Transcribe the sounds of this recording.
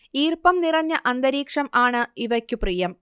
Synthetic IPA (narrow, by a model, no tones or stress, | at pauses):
iːrpɐmnirɐɲːɐʔɐnd̪ɐɾiːkʂɐmaːɳɨiʋɐkʲːuprijɐm